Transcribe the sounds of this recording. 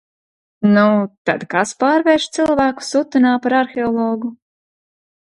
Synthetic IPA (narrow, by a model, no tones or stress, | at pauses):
nut̪ad̪kaspaːɾvɛɾʃt̪silˠvæːku̥sut̪ːunaːpaɾaɾxeɔlˠɔːɡu